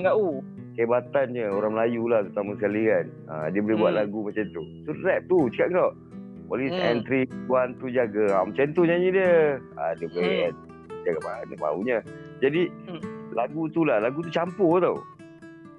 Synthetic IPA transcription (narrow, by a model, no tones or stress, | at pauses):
ŋɡaʔu | kebat̪anɲəoɾaŋməlajulaht̪ɾut̪amasəkalian | a̰diəbolɛbuaʔ̪laɡumat͡ʃant̪usurɛp̚t̪ut͡ʃə̥kaʔ̚ŋkawʔ | olisɛnt̪ɾiuant̪ud͡ʒaɡəamat͡ʃant̪uɲaɲidiəa̰diəbolen | d͡ʒaɡamaaəʔma̰ṵɲə | d͡ʒadilaɡut̪ulahlaɡut̪̬ut͡ʃampoht̪aw